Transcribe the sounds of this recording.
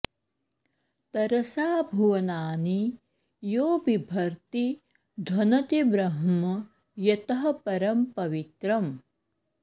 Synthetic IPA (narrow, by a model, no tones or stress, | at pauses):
t̪ɐɾɐsaːbʱuʋɐnaːni | joːbibʱɐɾt̪i | d̪ʱwɐnɐt̪ibɾɐɦɐmɐ | jɐt̪ɐɦɐpɐɾɐmpɐʋit̪ɾɐm